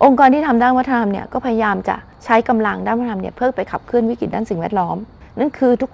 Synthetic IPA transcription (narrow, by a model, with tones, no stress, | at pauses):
ʔo˧ŋkɔː˧nt̪ʰiː˥˩t̪ʰa˧mdaː˥˩nwa˦˥t̪ʰa˧a˧mni˥˩ɐkɔː˥˩pʰa˧ja˧jaː˧mt͡ɕa̰˨˩ | t͡ɕʰa˦˥jka˧mla˧ŋdaː˥˩nw̪̚ʰa˧a˧mni˥˩ɐpʰɯː˥˩ŋpa˧jkʰa˨˩p̚kʰɯ˥˩ənwi˦˥˩ki˨˩t̚daː˥˩si˨˩ŋwɛː˥˩t̪̚lɔː˦˥m | na˥˩˨ŋkʰɯː˧t̪ʰu˦˥k